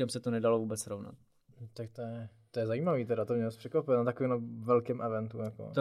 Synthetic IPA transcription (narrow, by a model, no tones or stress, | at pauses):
amsɛt̪onɛdalovuːbɛt͡sɾovna̰t̪̚ | t̪ak̚t̪ojɛt̪ojɛzaiːmaviːt̪ɛɾat̪omɲɛbasprʂɛkvapɪnat̪akovimɛvɛlkɛmʔɛvɛnt̪ujako̰t̪